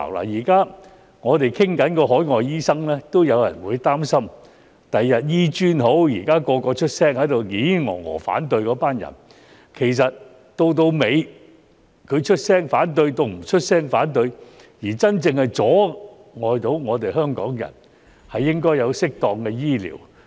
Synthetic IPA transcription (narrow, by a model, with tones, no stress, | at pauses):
la̰ː˨˩jiː˨˩kaː˥ | ŋɔː˨˧t̪e˨jkʰɪ˥ŋkɐ˨˥nkɔː˧ɦɔː˨˥jŋɔː˨jiː˥sɐ˥ŋlɛː˥t̪o˥wjɐ˨˧wjɐ̰˨˩nwuː˨˧jt̪aː˥msɐ˥m | t̪ɐ˨jːɐ˨t̚jiː˥t͡ʃyː˥nho˨˥wjiː˨˩kaː˥kɔː˧kɔː˧t͡ʃʰɵ˥t̚sɛː˥ŋhɐ˨˥jt̪o˨wŋiː˨˥ŋɔ̰ː˨˩ŋɔ̰ː˨˩fa̰ː˨˥nt̪ɵ˧ɥkɔː˨˧˥paː˥njɐ̰˨˩n | kʰe˨˩js̬ɐ˨t̚ | t̪o˧wt̪̬o˧wme˨˧j | kʰɵ˨˧ɥt͡ʃʰɵ˥t̚sɛː˥ŋfaː˨˥nt̪̬ɵ˧ɥt̪o˨˧wm̩˨˩t͡ʃʰɵ˥t̚sɛː˥ŋfaː˨˥nt̪ɵ˧ɥ | jiː˨˩t͡sɐ˥nt͡sɪ˧ŋhɐ˨jt͡sɔː˨˥ | ŋɔː˨˧jt̪o˨˥wŋɔː˨˧t̪e˨jɦœː˥ŋkɔː˨˥ŋjɐ̰˨˩n | hɐ˨jːɪ˥ŋkɔː˥jɐ˨˧wsɪ˥k̚t̪ɔː˨˧ŋkɛː˧jiː˥lḭː˨˩w